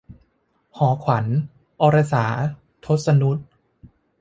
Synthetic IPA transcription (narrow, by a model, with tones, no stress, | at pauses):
hɔː˩˦kʰwa˩˦n | ʔɔ˧ɾa˧saː˩˦ | t̪ʰo˦˥t̪̚sa˧nu˦˥t̪̚